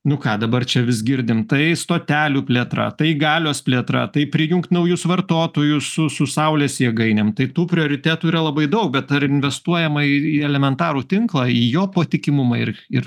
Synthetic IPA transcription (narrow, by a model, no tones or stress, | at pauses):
nʊkɑːd̪ɐbɐrt͡ʃʲɛʋʲɪsɡʲɪɾʲd̪ʲɪmt̪ɐɪst̪oːt̪ʲæːlʲuːpʲlʲeːt̪ɾɐ̰t̪ɐɪɡɑːlʲoːspʲlʲeːt̪ɾɐ̰t̪ɐɪpʲɾʲɪjʊŋkt̪nɐʊjʊsʋɐrt̪oːt̪oːjʊsʊsʊsɐʊlʲeːsjiɛɡɐɪnʲɛmt̪ɐɪt̪uːpʲɾʲɪoːɾʲɪt̪ʲæːt̪uːiːɾɐlˠɐbɐɪd̪ɐʊk̚bʲɛt̪ɐɾɪnʲʋʲɛst̪uɔjɛmɐiiɛlʲɛmʲɛnt̪ɑːɾuːt̪ʲɪŋklˠɑːiːjoːpoːt̪ʲɪkʲɪmʊmɑɪrɪr